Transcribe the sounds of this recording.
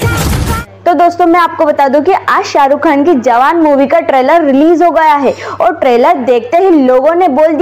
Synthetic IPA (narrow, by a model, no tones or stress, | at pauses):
t̪od̪oːst̪õmɛ̃aːp̚kobɐt̪aːd̪ũkiʔaːʃaːɾukʰaːnkid͡ʒɐʋaːnmuːʋikaʈɾeːləɾːɪliːzɦoɡɐjaɦɛɔːɾʈɾeːləɾd̪eːk̚ʰt̪eɦiloːɡõneboːld̪i